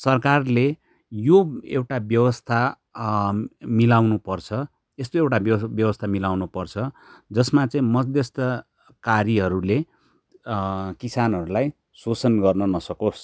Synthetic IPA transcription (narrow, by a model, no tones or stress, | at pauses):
sʌrkarle | joewʈabjʌwʌst̪ʰa | milawnupʌrt͡sʰʌ | est̪oewʈabbjʌwʌst̪ʰamilawnupʌrt͡sʰʌd͡zʌsmat͡sʌĩmʌd͡zd̪jʌst̪ʌ | kaɾiɦʌɾule | kisanɦʌɾulaj | sot͡sʌnɡʌrnʌnʌsʌkos